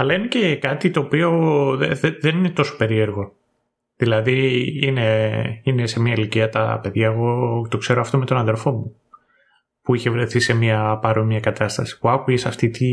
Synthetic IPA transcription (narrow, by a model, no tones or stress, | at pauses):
ɐlɐine̞ce̞kɐt̪it̪o̞ːpio̞eðeðe̞nine̞t̪o̞so̞pe̞ɾie̞ɾɣo̞ | ðilɐðiine̞ine̞se̞miɐiliciɐt̪ɐ̰pe̞ðʝɐeɣo̞t̪o̞kse̞ɾoɐft̪o̞me̞t̪o̞nɐnðe̞lfo̞mu | puiçe̞vɾe̞θise̞miɐpɐɾomiɐkɐt̪ɐst̪ɐsi̥puɐkuʝesɐft̪it̪i